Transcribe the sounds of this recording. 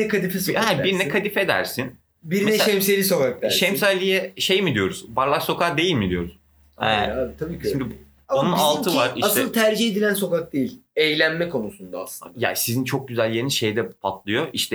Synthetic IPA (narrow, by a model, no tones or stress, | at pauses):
nɛkad̪ifishɛbiɾnɛkʰad̪ife̞d̪æ̰ɾsin | biɾmɛʃɛmselʲiso̞kak̚d̪aʃɛmsalʲijɛʃejmid̪ijo̞ɾuzbaɾlˠakso̞kakd̪e̞jilʲmid̪ijo̞ɾuz | ɛaːbit̪ʰabiːcʃimd̪i | onunalˠt̪ʰɯvaɾiatsɯlˠt̪ʰæɾd͡ʒiɦed̪ilʲænso̞kak̚d̪ejilʲejlʲænmɛkʰo̞nusund̪a̰ːslˠɯ̰nd̪ja̰sizint͡ʃʰo̞k̚ɟyzælʲːenizʃe̞jd̪ɛpʰat̪ʰlˠɯjoʔiʃt̪ʰɛ